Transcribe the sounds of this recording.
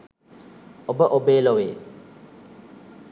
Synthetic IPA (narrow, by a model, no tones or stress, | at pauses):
obəʔobeːloʋeː